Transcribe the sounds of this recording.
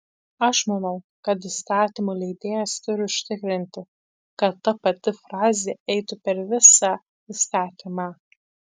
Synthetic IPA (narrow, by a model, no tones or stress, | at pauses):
ɐʃmɐnɐʊ | kɐt̪̬ist̪ɑːt̪ʲiːmuːlʲɛɪd̪ʲeːjɛst̪ʊɾʲɪʊʃʲt̪ʲɪkɾʲɪnʲt̪ʲɪ | kɐt̪ːɐpɐt̪ʲɪfɾɑːzʲeːɛɪt̪ʊpʲɛɾʋʲɪsɑ | ist̪ɑːt̪ʲiːmɑː